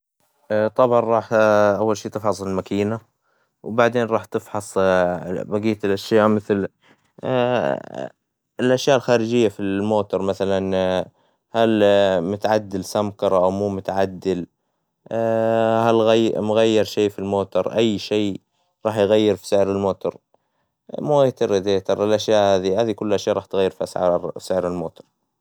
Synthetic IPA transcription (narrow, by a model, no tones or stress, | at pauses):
t̪ˤɑbʕɑnɾˤɑːħʔawːalʃiːt̪ɪfħɑsˤɪlmakiːna | wbaʕd̪eːnɾˤɑːħt̪ɪfħɑsˤ | baɡiːt̪ɪlʔaʃjaːʔmɪθl | ɪlʔaʃjaːʔɪlxaːɾɪd͡ʒɪjːafimoːt̪ʊɾˤmaθalan | halmʊt̪aʕad̪ːɪlsamkɑɾˤɑʔawmuːmʊt̪aʕad̪ːɪl | halɣamʊɣajːɪɾʃeːfilmoːt̪ʊɾˤʔajːʃeː | ɾˤɑːħjɣajːɪɾfi̥sɪʕɾɪlmoːt̪ʊɾˤ | mut̪ɪɾɪd̪eːt̪ɑɾˤɪlʔaʃjaːʔhaːðihaːðikʊlːʔaʃjaːʔɾˤɑːħt̪ɣajːɪɾfiʔasʕɑ̰ɾˤsɪʕɾɪlmoːt̪ʊ̥ɾˤ